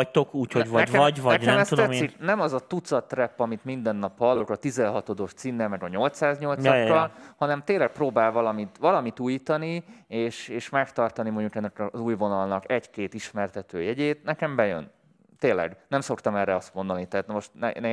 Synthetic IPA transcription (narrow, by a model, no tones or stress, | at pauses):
ct̪okuːchoɟvɛkɛvɒnɛɛmɛst̪ud̪ɛtsːiknɛmɒzɒt̪ut̪sɒt̪ːrɛpːɒmit̪mind̪ɛnːɒpːɒlːokɒt̪izɛnɦɒt̪o̞d̪o̞ʃt̪sinːɛlmɛɡɒɲo̞lt̪saːzɲo̞lt̪sɒkːɒlhɒnɛmt̪eːlːɛk̚proːbaːlvɒlɒmit̪ʋɒlɒmit̪uːjiːt̪ɒnieːʃeːʃmɛkt̪ɒrt̪ɒnimoɲɟukɛnːɛkɒzuːjvo̞nɒlnɒkɛɟkeːt̪iʃmɛrt̪ɛt̪ø̰ːjɛɟeːt̪nɛkɛmbɛjø̰n | t̪eːnlːɛ̰ɡnɛmso̞kt̪ɒmɛrɛɒst̪mo̞nd̪ɒnit̪ɛɦaːt̪nmo̞ʃt̪nɛ̰nɛ